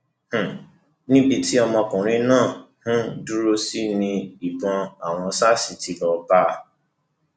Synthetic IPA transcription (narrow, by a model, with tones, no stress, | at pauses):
h̩˨ | nĩ˦bi˧ti˦ɔ˧mɔ̃˧kũ˨ɾ̃ĩ˦nãː˦˨hũ˦du˦ɾo˧si˦nĩ˧i˨ɡ͡bɔ̃˨˧a˨w̃ɔ̃˧sa˦si˨ti˨˦lɔ˧ba˦˨